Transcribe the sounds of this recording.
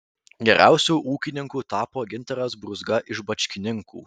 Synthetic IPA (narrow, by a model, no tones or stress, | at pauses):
ɡʲɛɾʲʔæ̰ˑʊsʲuːʔuːkʲɪnʲɪŋkuːt̪ɑːpoːɡʲɪnʲˑt̪ʲɐɾɐsbɾʊzɡɐʔɪʒbɐt͡ʃʲkʲɪnʲɪŋkṵː